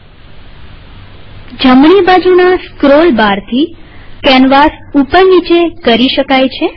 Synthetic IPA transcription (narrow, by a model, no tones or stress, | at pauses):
d͡ʒəmɳibad͡ʒunaskɾolbaɾt̪ʰikɛnʋasupənːit͡ʃekəɾiʃəkajt͡ʃʰe